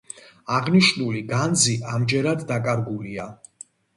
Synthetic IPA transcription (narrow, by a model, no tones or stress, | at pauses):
aʁniʃnuliɡanziʔamd͡ʒɛɾad̪ːakʼaɾɡulia